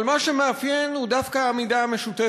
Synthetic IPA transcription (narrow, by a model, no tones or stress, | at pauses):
lmaʃe̞meafje̞nhud̪afkaːmidaːme̞ʃut̪e